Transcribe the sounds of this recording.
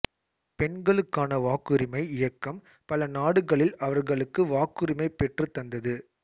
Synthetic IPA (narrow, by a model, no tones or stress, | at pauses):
pɛɳɡɐɭɯkːaːnɐʋaːkɯɾɪmɐɪɪjɐkːɐm | pɐlɐnaːɽɯɣɐɭɪlɐʋɐɾɣɐɭɯkːɯʋaːkɯɾɪmɐɪpɛʈrɯt̪ːɐnd̪ɐðɯ